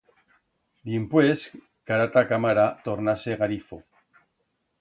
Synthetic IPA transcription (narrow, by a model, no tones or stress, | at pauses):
d̪impwes | kaɾat̪akamaɾat̪oɾnaseɣaɾifo